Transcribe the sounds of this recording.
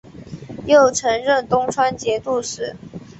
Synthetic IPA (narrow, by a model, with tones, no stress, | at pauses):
jo˥˩ʊʈ͡ʂʰɤ˧˥ŋɻə˥˩˨nt̪ʊ˥ŋʈ͡ʂʰwa˥nt͡ɕjɛ˧˥t̪u˥˩ʂɻ̩˥˩˦